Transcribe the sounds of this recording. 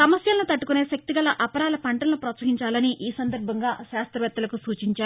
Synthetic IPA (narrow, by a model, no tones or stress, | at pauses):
sɐmɐsjɐlnut̪ɐʈːukune̞ːʃɐk̚t̪iɡɐlɐʔɐpɐɾaːlɐpʰɐɳʈɐnɐnupɾɐt̪sɐːɦiɲt͡ʃaːlɐniʔiːsɐnd̪ɐɾbʱɐŋɡaːʃaːst̪ɾɐʋɛt̪ːɐlɐkusuːt͡ʃiɲt͡ʃaːɾu